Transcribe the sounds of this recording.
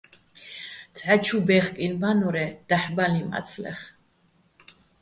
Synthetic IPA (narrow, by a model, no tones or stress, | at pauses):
t̪t͡sʰʼʕat͡ʃʰubɛχkʼinbanɔɾɛd̪̥aħbalima̰t̪sʰlɛ̰χ